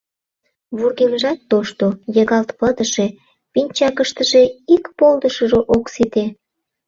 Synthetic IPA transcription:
βurɣemʒɑt̪ːoʃt̪ojəɣɑlt̪pəd̪əʃe | pinʲt͡ɕɑkəʃt̪əʒe̽ikpold̪əʃəʒoʔoksit̪e

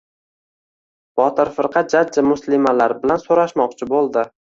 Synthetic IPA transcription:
b̥ɒt̪ʰɪɾfɪɾqʰɑd͡ʒad͡ʒamʊslɪmalaɾbɪlansoɾaʃmɒq̚t͡ʃʰɪbolˠd̪ɪ

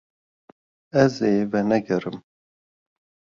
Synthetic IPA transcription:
ɛzeːvɛnɛɡɛɾɨm

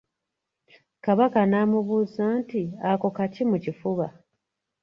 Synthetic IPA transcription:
kaβakanaːmuβuːzaːntiako̞kacimucifuβa

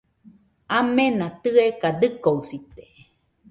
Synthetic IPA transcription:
amenãt̪ɨekad̪ɨkousit̪e̥

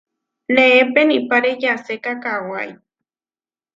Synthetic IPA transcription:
nẽepenipaɾejasekakawa̰j

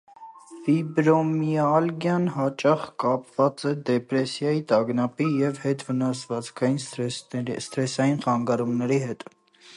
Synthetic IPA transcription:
fibɾɔmjiɑlɡjɑnɦɑt͡ʃɑχkɑpvɑt͡sɛd̪ɛpɾɛsjɑjit̪ɑɡnɑpijɛvhɛt̪vənɑsvɑt͡skʰɑjin | st̪ɾɛsɑjinχɑŋɡɑɾumnɛɾiɦɛt̪

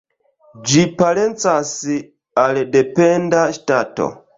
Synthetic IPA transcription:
d͡ʒipalɛnt͡sasi | alɛdɛpɛndaʃi̥tatɔ̰

